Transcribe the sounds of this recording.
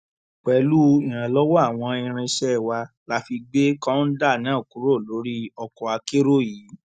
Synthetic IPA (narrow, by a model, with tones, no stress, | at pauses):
k͡pɛ˨˦lu˦ĩ˦˨ɾ̃ã˨lɔ˦wɔ˦a˦˨w̃ɔ̃˧ĩ˧ɾ̃ĩ˧ʃɛ˦˨wa˧ | la˦fi˧ɡ͡be˦kã˦n̩˦da˦˨nãː˨˦˨ku˨˦ɾo˦˨lo˨˦ɾi˦ɔ˧kɔ˨a˧ke˦ɾo˦˨jiː˨˦